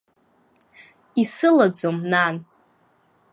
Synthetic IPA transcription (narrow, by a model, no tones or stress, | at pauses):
isɨlad͡zomnan